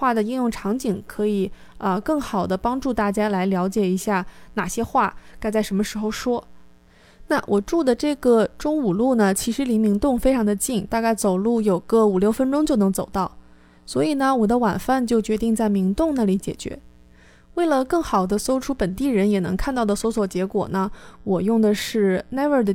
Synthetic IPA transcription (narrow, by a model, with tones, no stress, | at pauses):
wa˥˩d̪ə˩i˥˧njʊ˥˩ŋʈ͡ʂʰɑ˧˥ŋt͡ɕi˨˩ŋkʰɤ˧˥i˨˩ | ə˧kɤ˥˩ŋxɑ˨˩ʊd̪ə˦pɑ˥ŋʈ͡ʂu˥˧t̪a˥˩t͡ɕja˥la˧˥ɪljɑ˧˥ʊt͡ɕjɛ˨˩i˧˥ɕja˥˩na˨˩ɕjɛ˥xwa˥˩ka˥˧ɪt͡sa˥˩ɪʂə˧˥nmə˧ʂɻ̩˧˥xo˥˧ʊʂwɔ˥ | na˥˩wʔɔ˨˩ʈ͡ʂu˥˩d̪ə˩ʈ͡ʂɤ˥˩ɡə˩ʈ͡ʂʊ˥ŋu˨˩lu˥˩nə˩t͡ɕʰi˧˥ʂɻ̩˧˥li˧˥mi˧˥ŋt̪ʊ˥˩ŋfe˥ɪʈ͡ʂʰɑ˧˥ŋd̪ə˧t͡ɕi˥˩ŋt̪a˥˧ka˥˩ɪt͡so˨˩ʊlu˥˩jo˨˩ʊɡə˥˧u˨˩ljo˥˩ʊfə˥nʈ͡ʂʊ˥ŋt͡ɕjo˥˩nɤ˧˥ŋt͡so˨˩ʊt̪ɑ˥˩ʊ | swɔ˧˥i˨˩nə˩wɔ˨˩d̪ə˦wa˨˩nfa˥˧nt͡ɕjo˥˩ʊt͡ɕɥɛ˧˥t̪i˥˧ŋt͡sa˥˩ɪmi˧˥ŋt̪ʊ˥˧ŋna˥˩li˧˥t͡ɕjɛ̰˨˩t͡ɕɥɛ̰˧˥ | we˥˩ɪlə˩kɤ˥˩ŋxɑ˨˩ʊd̪ə˦so˥ʊʈ͡ʂʰu˥pə˨˩nt̪i˥˩ɻə˧˥njɛ˨˩nɤ˧˥ŋkʰa˥˧nt̪ɑ˥˩ʊd̪ə˩swɔ˧˥swɔ˨˩t͡ɕjɛ˧˥kwɔ̰˨˩nə˦wɔ˨˩jʊ˥˩ŋd̪ə˩ʂɻ̩˥˩na˥ɪə˞˥˩d̪ə˩